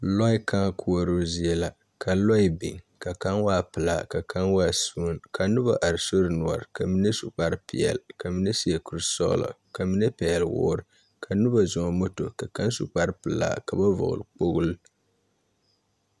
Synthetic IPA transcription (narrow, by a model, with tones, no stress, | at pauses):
lɔ˦i˦ka˦kʰu˦o˨ɾo˦zi˨ɛ˦la˨ | ka˨lɔ˦i˦bi˨ŋka˨ka˦nwaː˦pɨ˨la˨ka˨ka˦nwaː˦˨su˨˦nka˨nʊ˦ba˨ʔa˨ɾso˦ɾɨ˨nu˨ɔ˨ɾɨ˨ka˨mi˦ne˦su˨k͡pa˦ɾpi˨ɛ̰˨lka˨mi˦ne˦si˦ɛ˨ku˦ɾsɔ̰˦lɔ̰˨ | ka˨mɨ˦nɛ˦pɛ˨ɛ˨lwɔ̰ː˦ɾɨ˨ | kʰa˨nʊ˦ba˨zʊ˨ŋɔ˨mo˦to˨ka˨ka˦nsu˨k͡pa˦ɾpɨ˨la̰ː˦˨ka˨ba˦vʊ̰˨ʔʊ̰˨ɾɨ˨k͡po˦ɣʊ˦l